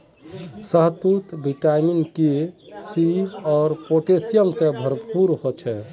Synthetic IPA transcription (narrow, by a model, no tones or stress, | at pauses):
səɦt̪ut̪biʈaminkisiɔːɾpoʈesijəmsẽbʱəɾppuɾɦot͡ʃʰɛ